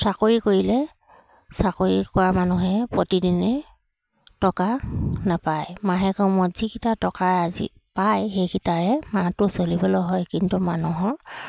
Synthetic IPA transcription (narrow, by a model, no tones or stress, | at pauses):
sakoɹikoɹilɛ | sakoɹikʊwamanuɦɛpɹotidinɛ | tɔkanapajmaɦɛkɔmɔz̥ikitatɔkaazḭ | pajxejkʰitaɹɛmatʊsolibɔlɔɦɔjkintumanuɦɔ